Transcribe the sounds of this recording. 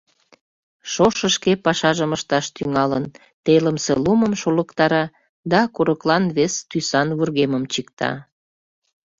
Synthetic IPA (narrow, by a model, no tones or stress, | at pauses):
ʃoʃəʃkepɑʃɑʒəməʃt̪ɑʃt̪yŋɑlən | t̪eləmseluməmʃoləkt̪ɑɾɑ | d̪ɑkuɾəklɑnβest̪ysɑnβurɣeməmt͡ɕikt̪ɑ̰